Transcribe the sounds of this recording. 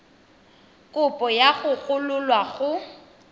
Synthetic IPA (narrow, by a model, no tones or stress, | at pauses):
kʼʊpʼɔjaɣʊɣʊlʊlwaɣʊ